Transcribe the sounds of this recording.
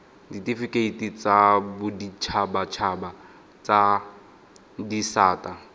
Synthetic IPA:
ditifikʼeitʼit͡sabʊdit͡ʃʰabat͡ʃʰaba | t͡sa | disaːtʼa

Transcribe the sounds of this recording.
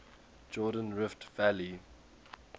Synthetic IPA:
d͡ʒɔːdə̃nɹɪftvæli

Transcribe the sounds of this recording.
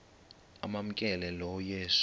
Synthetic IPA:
a̰mam̩kʼɛlɛlɔjeʃ

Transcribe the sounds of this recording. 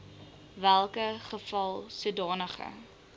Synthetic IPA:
vælˠkəχəfɐlˠsədɑːnəχə̰

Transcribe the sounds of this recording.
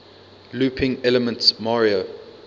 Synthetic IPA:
luːpʰɪ̃ŋɛləmə̃ntsmaɹiə

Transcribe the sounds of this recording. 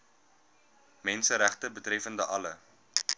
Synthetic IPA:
mɛnsəɾæχtəbətrɛfəndəʔɐlə

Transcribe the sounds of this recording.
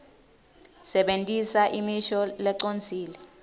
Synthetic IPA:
sɛɓentʼisaʔimiʃɔlɛǀont͡sʰiːlɛ

